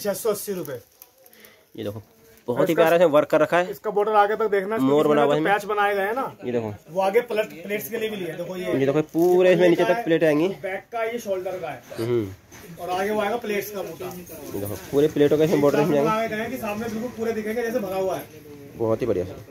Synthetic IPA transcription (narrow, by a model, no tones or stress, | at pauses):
t͡ʃɛːsːoɐsːiɾʊpeː | jḛd̪eːkʰo | b̥ɔɦɔt̪ɦipjaːɾasmɛ̃ʋɐɾkːəɾːɐkʰaɛːɪskaboːɖəɾaːɡet̪ɐk̚d̪eːkʰnamoːɾbɐnaːuaɪsmɛːt͡ʃbɐnaːeɡɐẽɦɛ̃najed̪eːkʰo̰ʋoaːɡepɐləʈpleːʈskelibʱiliɛd̪eːkʰojejed̪eːkopuːɾeɪsmẽniːt͡ʃet̪ɐkpleːʈãẽːŋɡibɛːkːajeʃɔːlɖəɾɡaːɛːɦ | ɔːɾaːɡeʋoaːeːɡapleːʈskaboːʈajḛd̪eːkʰo̰puːɾepleːʈõkeɪsmẽboːɖəɾɪsm̃ãẽːŋɡeːɡeɡɐẽkisaːmnẽbɪlkʊlpuːɾed̪ɪkʰẽːŋɡed͡ʒɛːs̬ebʱɐɾaɦuaɦɛː | bɔɦt̪ɦibɐɽija̰s